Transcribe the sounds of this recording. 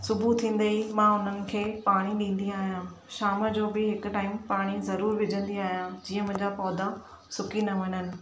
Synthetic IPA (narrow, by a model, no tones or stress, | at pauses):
sʊbʱut̪ʰĩːn̆d̪eimãːʊn̤ənɪ̆kʰeːpaːɽ̃iɗĩːn̆d̪iaːɦijãː | ʃaːməd͡ʑoːbɪɦɪkʊ̆ʈaːɪmpaːɽ̃izɐɾuːɾʋɪd͡ʑʱə̃nd̪iaːɦijãd͡ʑiːə̃mʊ̃ɦɪ̃ɲd͡ʑapɔːd̪a | sʊkinɐɦɐñənɪ̆